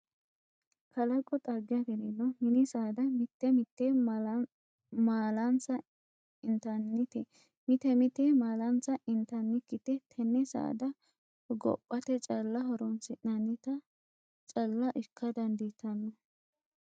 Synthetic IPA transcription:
kʰɐlɐkʼːɔt̪ʼɐɡɪɐkɛɾɪnːɔmɪnɪsaːd̪ɐmɪt̪ːɛmɪt̪ːe | maːlɐnt͡sːɐ | ɪnt̪ɐnːɪt̪ɛ | mɪt̪ɛmɪt̪emaːlɐnt͡sːɐʔɪnt̪ɐnːɪkːɪt̪ɛt̪ʰɛnːɛsa̰ːd̪ɐ | ɡɔ̰pʼːɐt̪ɛt͡ʃʼɐlːɐhɔɾɔnsɪʔnɐnːɪt̪ɐ | t͡ʃʼɐlːɐʔɪkʰːɐd̪ɐnd̪it̪ʰːɐnːɔ

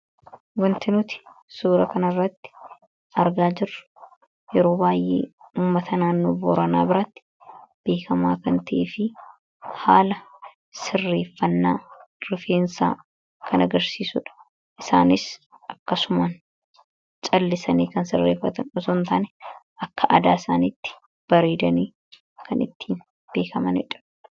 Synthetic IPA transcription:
wɐnt̪ɪnʊt̪ɪ̥suːɾɐkɐnɐrːɐt̪ːɪ̥ | ʔɐɾɡaːd͡ʒɪrːʊ̥ | jɛɾo̞ːbaːjʔḛːuːmːɐt̪ɐnaːnːo̞ːboːɾɐna̰ːbɪɾat̪ːɪ̥ | b̥e̞ːkɐmaːkɐnt̪ɐʔeːfɪ | haːlɐ | sɪrːe̞ːfːɐnːaːɾɪfeːnsa̰ː | kʰɐnɐɡɐɾsiːsʊᶑɐ̥ | ʔɪsaːnɪs | ɐkːɐsʊmaːn | t͡ʃʼɐlːɪsɐniːkɐnsɪrːeːfːɐt̪ɐnɔsont̪aːnɛʔɐkːɐʔɐd̪aːɪsaːniːt̪ːɪ̥ | b̥ɐɾeːd̪ɐniː | kʰɐnɪ̰t̪ːiːn | b̥e̞ːkɐmɐnɛ̰ᶑɐ̥

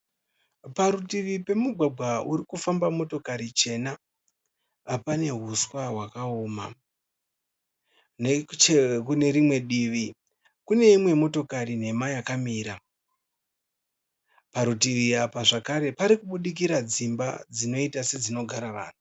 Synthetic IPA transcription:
paɾutiʋipe̞muɡʱwaɡʱwauɾikufambamo̞to̞kaɾit͡ʃe̞na | pane̞ɦuswaɦwakaoːma̰ | net͡ʃekune̞ɾimwe̞ɗiʋi | kune̞imwe̞mo̞to̞karine̞majakamiːɾa | paɾutiʋiapaʐakaɾe̞paɾikuɓuɗik̬iɾad͡zimba̰d͡zino̞itase̞d͡zino̞ɡʱaɾaʋa̰ːn̤u

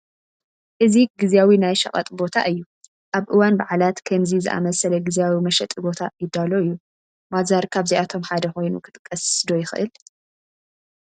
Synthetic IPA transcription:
ʔɨziɡɨzjawinajʃɐχʼɐ̰t̪ʼbo̞t̪ʰa̰ʔɨjːu | ʔaβʔɨwanbaʕlat̪kʰɐmzizɨ̰ʔa̰mɐsɐlɐɡɨzjawimɐʃɛt̪ʼibo̞t̪ʰajɪd̪ːalo̞ɨjːu | bazaɾkʰaβziʔat̪ʰo̞mħad̪ɐxo̞jnṵkʰɨ̥t̪ʼɨ̥kʼːɐssd̪o̞jɪxɨ̰ʔɨl

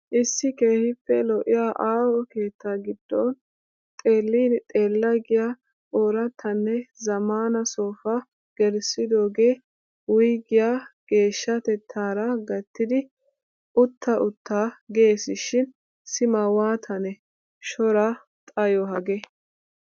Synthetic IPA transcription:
ʔɪsːɪke̞ːhɪpːɛlɔʔɪjaːʔaːwɔke̞ːt̪ːaːɡɪd̪̥ːɔn | t̪ʼe̞ːlːiːnt̪ʼe̞ːlːɐɡɪjaː | oːɾɐt̪ʰːɐnːɛzɐmaːnɐso̞ːfa | ɡ̥ɛɾsɪd̪o̞ːɡe̞ː | wʊjɡɪjaːɡ̥e̞ːʃːɐt̪ɛt̪ʰːaːɾɐɡɐt̪ːɪd̪ɪ | ʔʊt̪ːɐʔʊt̪ʰːaːɡe̞ːsɪʃɪn | sɪmɐwaːt̪ʰɐnɛ | ʃɔɾɐ | t̪ʼɐjɔɦɐɡɛ

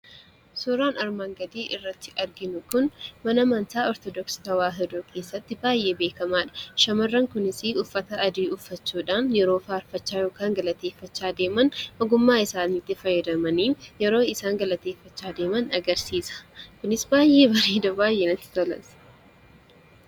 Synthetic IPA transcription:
sʊɾaːnɐɾmaːŋɡɐd̪iːʔɪrːɐt̪ːɪʔɐɾɡɪnʊkʊnmɐnɐmɐnt̪aːɔɾt̪ɔd̪ɔksɪ̥t̪ɐwaːɦɛd̪uːkʰe̞ːsːɐt̪ːɪbaːjːe̞ːbe̞ːkɐmaːᶑɐ̥ʃɐmɐrːɐŋkʊnɪsɪʊfːɐt̪ɐːd̪iːʊfːɐt͡ʃːuːᶑaːnjɛɾo̞ːfaːɾfɐt͡ʃːaːjo̞ːkaːŋɡɐlɐt̪e̞ːfːɐt͡ʃːaːd̪eːmɐnʔɔɡʊmːaːɪsaːniːt̪ːɪfɐjːɐd̪ɐmɐniːjɛɾo̞ːɪsaːŋɡɐlɐt̪eːfːɐt͡ʃːaːd̪e̞ːmɐnɐɡɐɾsiːsɐ̥kʊnɪsbaːjʔːe̞ːbɐɾiːd̪ɐbaːjʔeːnɐt̪ːɪ̥t̪ɔlɐ̰ns

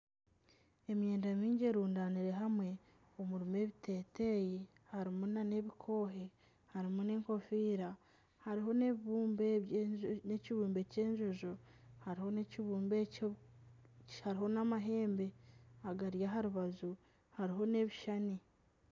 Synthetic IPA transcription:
e̞mje̞ːndamiːɲɟeɾuːndaːniɾe̞ɦamwe̞ | omuɾime̞βite̞ːte̞ji | haɾimunane̞βikʰo̞ːɦe̞ | haɾimune̞ːŋko̞fiːɾa | haɾiɦo̞neβiβuːmbe | neciβuːmbe̞ceːɲʒoʒohaɾiho̞neciβuːmbe | haɾiho̞namaɦe̞ːmbe̞aɡaɾijaɦaɾuβazu | haɾiɦo̞ne̞βiʃani

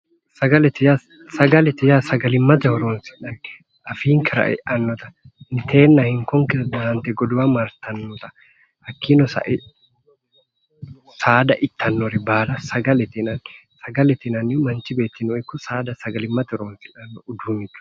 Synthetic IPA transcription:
sɐɡɐlɛt̪ːɪja | sɐɡɐlɛt̪ːɪjasɐɡɐlɪmːɐt̪ɛhɔɾoːnsɪ̥ᶑɐn | ɐfiːŋkɪɾɐ̰ʔɛ̰ʔɐnːɔt̪ɐ̥ | nɪt̪ʰe̞ːnːɐhɪŋkɔŋkɪdɐɐnt̪ɛɡɔd̪ʊwɐmɐɾt̪ɐnːɔt̪ɐ̥ | hɐkʰːinɔsɐ̰ʔɪ | saːd̪ɐʔɪt̪ʰːɐnːɔɾɪbaːlɐsɐɡɐlɛt̪ɪnɐn | sɐɡɐlɛt̪ɪnɐnːɪmɐnt͡ʃɪbeːt̪ːɪnɔɪkːʊsaːd̪ɐsɐɡɐlɪmːɐt̪ɛhɔɾoːnsɪᶑɐnːʊd̪uːnːɪt͡ʃːʊ̥

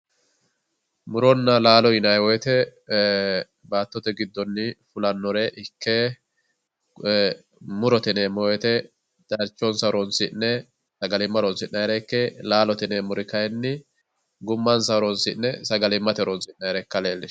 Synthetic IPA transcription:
mʊɾɔnːɐlaːlɔɪnɐjwɔjɛt̪ɛ | baːt̪ːɔt̪ɛɡɪd̪ːɔnːɪfʊlɐnːɔɾɛʔɪkːe | mʊɾɔt̪ɛnemɔwjɛt̪ɛ | d̪̥ɐɾt͡ʃːɔnsɐɾɔnsɪnːɛ | sɐɡɐlɪmːɐɾɔnsɪnːɐjɾɛkːɛlaːlɔt̪ɪnemʊɾɪkɐjnːɪ | ɡʊmːɐnsɐɾɔnsɪ̰nːɛsɐɡɐlɪmːɐt̪ɛɾɔnsɪnːɐjɾɛkːɐleːlːɪʃ

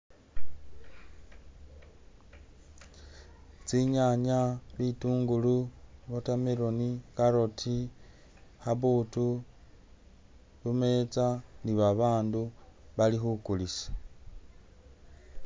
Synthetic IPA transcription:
t͡siɲaɲaβituːŋɡuluβotameɾonikaɾo̞tʰi | haβuːtu | βumet͡saniβaβaːnduβalixukulisḁ

